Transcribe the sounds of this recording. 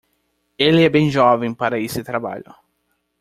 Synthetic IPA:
elɪɛbẽj̃ʒɔvẽj̃paɾɐesɪt̪ɾaba̰ʎʊ̰

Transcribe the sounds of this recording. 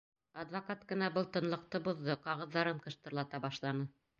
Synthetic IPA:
ɐd̪vakat̪kɤ̆nɑbɤlˠt̪ɤ̆nlˠɤ̆q̚t̪ɤbuðːɤqɑʁɤ̆ðːɑɾɤɴqɤ̆ʃt̪ɤ̆ɾlˠɑt̪ɑbɑʃlˠɑnɤ

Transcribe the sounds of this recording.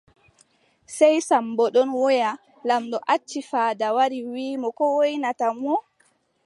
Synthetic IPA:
sɛjsambɔɗɔnwɔja | lamɗɔʔat͡ʃːifaːdawaɾiwiːmɔkɔwojnatamɔ

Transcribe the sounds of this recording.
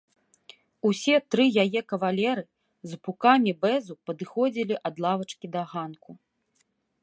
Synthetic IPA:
usʲɛt̪ɾɨjajɛkɐvalʲɛɾɨ | zpukamʲibɛzupɐd̪ɨxɔd͡zʲilʲiʔɐd̪lˠavɐt͡ʂkʲid̪ɐɣanku

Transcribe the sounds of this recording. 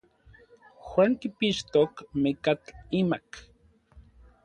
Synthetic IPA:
xwaːŋkipiʃt̪okmikat͡ɬimak

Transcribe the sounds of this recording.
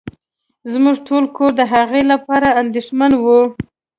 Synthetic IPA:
zmuʐʈʰolkoɾd̪əɦaɣelapɑɾaand̪eʂmanwu

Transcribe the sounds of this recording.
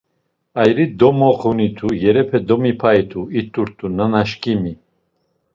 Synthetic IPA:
ajɾid̪ɔmɔqʰunit̪ʰujɛɾɛpʰɛd̪ɔmipʰait̪ʰuit̪ʼuɾt̪ʰʼunanaʃkʼimi

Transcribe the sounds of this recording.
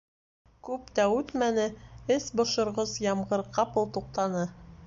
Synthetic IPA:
kʉpt̪æʉt̪mænɘɘsbŏʃŏɾʁɤzjɑmɢɤɾqɑpɤlˠt̪uq̚t̪ɑnɤ

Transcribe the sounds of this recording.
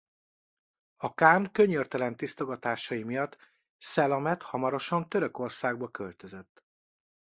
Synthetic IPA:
ɒkaːnkø̞ɲørt̪ɛlɛnt̪ist̪oɡɒt̪aːʃɒjimijɒt̪ː | sɛlɒmɛt̪hɒmɒɾo̞ʃɒnt̪øɾø̞ko̞rsaːɡ̚bɒkølt̪ø̞zøt̪ː

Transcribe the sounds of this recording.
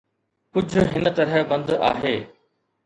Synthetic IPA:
kʊd͡ʑʱʊ̆ɦɪnə̆t̪ɐɾɦəbɐ̃nd̪a̰ːɦeː

